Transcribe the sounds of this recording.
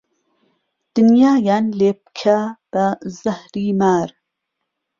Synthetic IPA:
d̪̥ɨnjaːjanlep̚kʰab̥ɐzɐhɾiːmaːɾ

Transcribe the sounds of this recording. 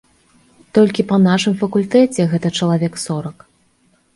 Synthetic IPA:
t̪ɔlʲkʲipɐnaʂɨmfɐkulʲt̪ɛt͡sʲɛɣɛt̪ɐt͡ʂɐlˠavʲɛksɔɾɐk

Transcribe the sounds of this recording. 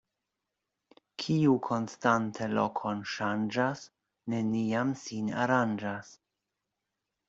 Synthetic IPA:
kʰiukʰo̞nstantʰelokʰonʃand͡ʒas | ne̞niamsina̰ɾand͡ʒas

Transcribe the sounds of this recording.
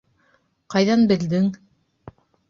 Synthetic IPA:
qɑjðɑnbɘ̆ld̪ɘŋ

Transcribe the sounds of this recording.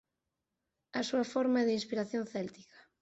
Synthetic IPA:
ɐsuɐfɔɾmaɛðeinspiɾaθjonθɛlt̪i̥kḁ

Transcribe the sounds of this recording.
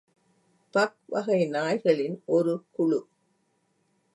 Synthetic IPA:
pɐk̚ʋɐɣɐɪnaːjɣɐɭɪnʔɔɾɯkʊɭʊ

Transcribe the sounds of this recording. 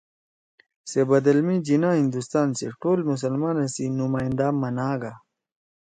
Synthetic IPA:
sebɐd̪ɐlmid͡ʑinãɦĩnd̪ust̪aːnsḛʈoːlmus̬ɐlmaːnesinumaːj̃nd̪amɐnaːɡa

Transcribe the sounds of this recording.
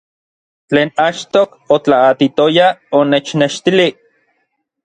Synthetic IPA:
t͡ɬeːnat͡ʃt̪ok | ot͡ɬaːt̪it̪ojaonet͡ʃneʃt̪ili

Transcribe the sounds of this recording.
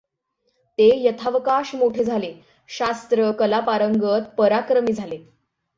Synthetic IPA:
t̪ejət̪ʰaʋəkaɕmoʈʰed͡zʱale | ɕast̪ɾəkəlapaɾəŋɡət̪̚pəɾakɾəmiːd͡zʱale

